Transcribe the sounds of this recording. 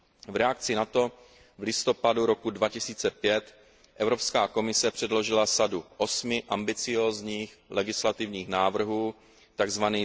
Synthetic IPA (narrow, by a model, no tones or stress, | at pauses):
vɾɛak̚t͡sɪnat̪o̞ | vlɪst̪o̞paduɾo̞kudvacɪsiːt͡sɛpjɛt̪ | ʔɛvɾo̞pskaːko̞mɪsɛpr̥ɛdlo̞ʒɪlasaduʔo̞smɪʔambɪt͡sɪjo̞ːzɲiːxlɛɡɪslat̪ɪvɲiːxnaːvr̩ɦuː | t̪aɡzvaniː